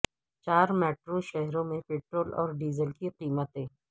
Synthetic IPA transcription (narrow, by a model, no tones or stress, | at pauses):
t͡ʃaːɾmɛːʈɾoʃɛɦɾõmẽpeːʈɾoːlɔ̰ːɾɖiːzəlkiqiːmət̪ẽː